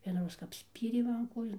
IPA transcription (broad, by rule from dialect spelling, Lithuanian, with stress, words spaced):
ʋʲiɛnɐˈroːs kɐp ˈsʲpʲiːrʲeː ˈmɐn ˈkoːjoːn